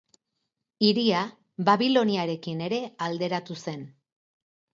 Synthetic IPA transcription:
iɾia | βaβilo̞niaɾe̞kine̞ɾe̞ald̪e̞ɾat̪use̞n

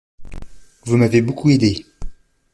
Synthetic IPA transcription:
vumavebokued̪e

